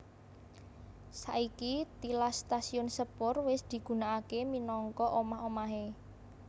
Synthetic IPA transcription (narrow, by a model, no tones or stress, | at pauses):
saʔikit̪ilast̪asiʊnsəpʊrwɪsd̪̥i̤ɡ̥ṳnaʔakeminɔŋkɔʔomahomaɦe